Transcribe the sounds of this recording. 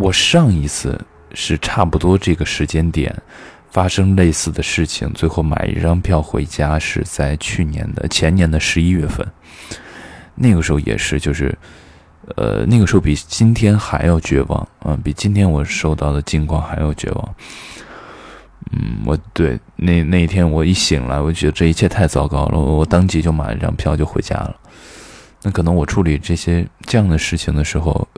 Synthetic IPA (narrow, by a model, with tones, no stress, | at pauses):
wɔ˨˩ʂɑ˥˩ŋi˧˥t͡sʰɹ̩̰˥˧ | ʂɻ̩˥˧ʈ͡ʂʰa˥˩pu˨˩t̪wɔ˥ʈ͡ʂɤ˥˩ɡə˩ʂɻ̩˧˥t͡ɕjɛ˥nt̪jɛ̰˨˩˦n | fa˥ʂɤ˥ŋle˥˧ɪsɹ̩˥˩d̪ə˩ʂɻ̩˥˩t͡ɕʰḭ˧˩ŋt͡swe˥˧ɪxo˥˩ʊma̰˨˩ɪʔḭ˥˩ʈ͡ʂɑ˥ŋpʰjɑ˥˩ʊxwḛ˧˥ɪt͡ɕja˥ʂɻ̩˥˧t͡sa˥˩ɪt͡ɕʰy˥˩njɛ̰˧˥nd̪ə̰˨t͡ɕʰjɛ˧˥nnjɛ˧˥nd̪ə˧ʂɻ̩˧˥i˥ɥɛ˥˧fə̰˥˩n | na˥˩ɡə˩ʂɻ̩˧˥xo˥˧jɛ̰˨˩ʂɻ̩˥˧t͡ɕjo˥˧ʊʂɻ̩̰˥˩ | ə̰˧˩na˥˩ɡəʂɻxo˥ʊpi˨˩t͡ɕi˥nt̪ʰjɛ˥nxa˧˥ɪjo˨˩ʊt͡ɕɥɛ̰˧˥wɑ̰˨˩˦ŋə̰˧˩pi˨˩t͡ɕi˥nt̪ʰjɛ˥nwɔ˨˩ʂo˥˧ʊt̪ɑ˥˩ʊd̪ə˩t͡ɕi˥˧ŋkʰwɑ˥˩ŋxa˧˥ɪjo˨˩ʊt͡ɕɥɛ̰˧˥wɑ̰˧˩˦ŋ | n̩˥˩wɔ̰˨˩t̪we˥˩ɪ | ne˥˩na˥˩i˥t̪ʰjɛ˥nwɔ˨˩i˥˩ɕi˨˩ŋla̰˧˥ɪwɔ˨˩t͡ɕɥɛ˧˥d̪ə˧ʈ͡ʂɤ˥˩i˧˥t͡ɕʰjɛ˥˧t̪ʰa˥˧ɪt͡sɑ˥˩ʊkɑ˥ʊlə̰˨wwɔ˨˩t̪ɑ˥ŋt͡ɕi˧˥t͡ɕjo˥˩ʊma̰˨˩n˥jɑ̰˥˧˩ŋpʰjɑ˥˧ʊt͡ɕjo˥˩˧xwe˧˥ɪt͡ɕja̰˥lə̰˨ | na˥˩kʰɤ˨˩nɤ˧˥ŋwɔ˨˩ʈ͡ʂʰu˥˩li˨˩ʈ͡ʂɤ˥˩ɕjɛ˥ʈ͡ʂɤ˥˧jɑ˥˩ŋd̪ə˩ʂɻ̩˥˩t͡ɕʰi˨˩ŋd̪ə˩ʂɻ̩˧˥xo̰˧ʊ